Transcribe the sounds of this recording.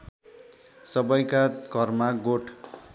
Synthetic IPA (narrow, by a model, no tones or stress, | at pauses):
sʌbʌjkakʌrmaɡoʈʰ